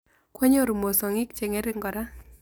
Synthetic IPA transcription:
kwɛ˦ɲo˦˨ɾu˨mo˨sɔ˨ŋɪ˦k̚t͡ʃe˨ŋɛ˦ɾɪ˦ŋɡɔ˨ɾa˦

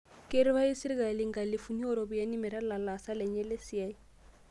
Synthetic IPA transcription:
ke˦ɾɪ˦βa˦i˦si˦ɾi˦ɡa˨lɪ˦ŋ̩ɡa˨lɪ˨fu˨ni˦ɔ˦ɾo˨bi˨ja˦ni˦mɪ˨ɾa˦la˨la˨sa˦lɛ˨ɲɛ˦lɪ˦si˨a˦i˦

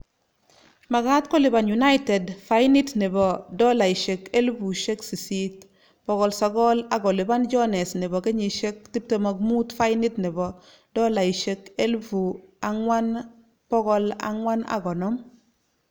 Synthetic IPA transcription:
ma˨ɡa˦tko˦li˨ba˨nju˨na˦jte˨dfajni˦tni˨bɔ˨dɔ˦la˨iʃe˨ke˦lbu˨ʃe˦ksi˨sit | pɔ˦ɡɔ˨lsaɡɔ˦la˨ɡɔ˨li˨ba˦nd͡ʒɔ˦ne˨sni˨bɔ˨ke˦ɲi˨ʃe˦k̚ti˦p̚te˨ma˨kmu˦tfa˦jni˦tni˨bɔ˨ | dɔ˦la˨iʃe˦ke˦lfu˨aŋwa˦n | pɔ˦ɡɔ˦la̰ŋwa˦na̰˨ɡɔ˨nɔm

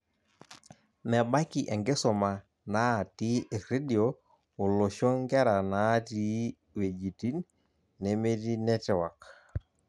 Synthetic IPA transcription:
mɛ˨ɓa˦ki˨ʔɛ˨ŋɡe˦sɔ˨ma˨ | na˦˨ti˦ʔe˨kɾe˦di˨o˨ | o˨lo˨ʃɔ˦ŋɡɛ˦ɾa˨na˨˦ti˦ | we˨d͡ʒi˨ti˦nː | e˨me˦ti˦nɛ˦tɛ˨wa˨k

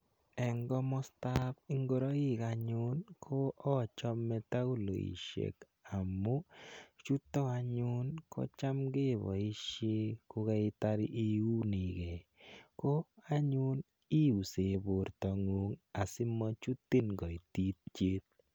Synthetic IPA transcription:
ɛ˨ŋɡɔ˦mɔ˦sta˦pi˦ŋɡo˦ɾɔ˦ɪ˦˨ka˨ɲʊ˦nkʰo˦ɔ˦˨t͡ʃɔ˦mːɛ˦ta˦u˦lo̰˨ḭ˨ʃḛ˨k | a˨mo˦t͡ʃu˦tɔ˦a˧ɲʊ˦nko̰˦t͡ʃa˦mɡe˦˨βɔ̰˨i˦ʃe˦ku˦kɛ˦ɪ˦ta˦ɾi˦ʔi˦u˦ni˨kɛ˨ko˦a˦ɲu˦n | i˦u˨se˨bo˨ɾtɔ˨ŋo˨ŋa˨si˦mɔ˦t͡ʃu˦tːi˦nɡɔ˨i˨ti˦t̪̚t͡ʃe˦t̪̚

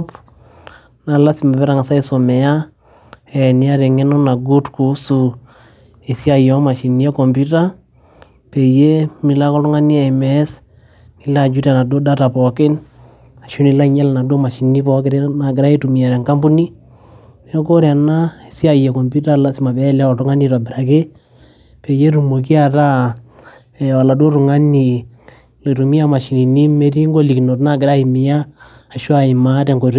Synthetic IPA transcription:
p | na˨la˦si˨ma˨pɛ˦ɾa˨ŋa˨sa˦i˦so˨mɛ˨ja˦ | ɛ˨ni˨a˦ɾe˨ŋɛ˦nɔ˦na˨ɡu˦tku˨˦su˨ | e˨si˦a˨jɔ˦ma˨ʃi˨ni˦e˦kɔ˨mpu˦ta˦ | pe˨je˦mi˨la˦kɔ˦lʊ˦ŋa˦ni˦a˨mɛ˦s | ni˨˦la˦˨d͡ʒu˦ɾa˨na˨do˦da˦ta˨pɔ˨kɪ˦n | a˨ʃu˦ni˨la˦˨ɲɛ˦la˨na˨do˦ma˨ʃi˨ni˦pɔ˦kɪ˦ɾɛ˦na˨ɡ̬ɪ˨ɾa˦i˦tu˨mi˨a˨ɾɛ˨ŋka˦mbu˦ni˦ | nɛ˦ko˦ɾa˨na˦˨si˦a˨jɛ˨kɔ˨mbu˦ta˦la˨si˨ma˨bɛ˦lɛ˦ɔ˨tʊ˦ŋa˦ni˦tɔ˨bɪ˨ɾa˨kɪ˦ | pe˨je˦ɾu˨mo˨k̬i˦a˨ta˦˨ | wa˨la˨do˦ɾʊ˨ŋa˦ni˨ | le˨tu˨mi˦a˦ma˨ʃi˨ni˨ni˦me˦ti˦ŋɡo˦li˨kno˨tna˦˨ɡɪ˨ɾa˦i˨mɪ˨jaː˦˨ | ʃwa˨ɪ˨ma˦tɛ˨ŋɡo˨ɾ

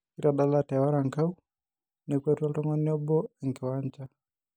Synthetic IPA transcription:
ki˦ɾa˨ɗalatɛwa˦ɾa˨ŋkau˦ | nɛkwɛ˦twa˦tɔ˦ŋɔniɔ˦bɔ˦ɛ˨ŋki˨wa˦ɲt͡ʃa

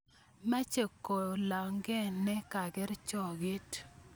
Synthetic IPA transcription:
ma˦t͡ʃe˨kːo˨la˨ŋɡɛ˦nɛ˦ka˨ɡɪ˦ɾt͡ʃɔ˨ɡe˦t

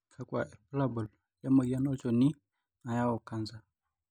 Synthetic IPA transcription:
kʰa˦kwa̰˨ʔɛ˨pla˦bɔ˨l | ja˦mɔ˨ɡa˦nɔ˦t͡ʃɔ˨ni˦ | na˨ja˦wɔ˨ka˦nza˨

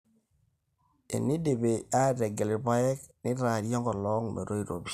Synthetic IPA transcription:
ḛ˨ni˦de˨be˨a˦˨de˨ɡe˨li˨pa˦je˦knɪ˦ɾa˨ɾjɔ˦ŋɡɔ˨lɔ˦ŋmḛ˨ɾo˦i˦ɾo̰˨bi˨

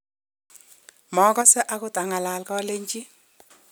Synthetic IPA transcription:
mɔ˨˦kɔ˦sɛ˦ʔa˦kʊ˦ta˨ŋa˨la˨lkɔ˦le˦ɲt͡ʃi˦

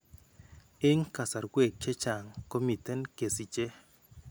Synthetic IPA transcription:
e˦ŋka˨sa˨ɾɡwe˨k̚t͡ʃe˦t͡ʃa˨ŋko˦mi˨tɛ˦nke˨si˨t͡ʃe˦

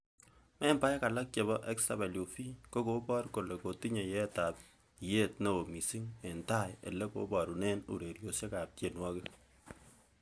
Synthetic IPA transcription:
mɛ˦mba˦jka˨la˦k̚t͡ʃe˨βɔ˦ʔɛ˦ksa˨be˨ljo˨fi˦ko˦ko˨˦bɔ˦rko˨lɛ˨ko˨ti˦ɲe˨jɛ˦ta˨p̚ | je˦tno˨o˨mi˨si˦ŋe˨nta˦jḛ˨lɛ˦ko̰˦ba˨ɾu˨ne˦nṵ˨ɾe˨ɾjo˨se˦ka˨p̚ke˨nwa˦kɪ˦

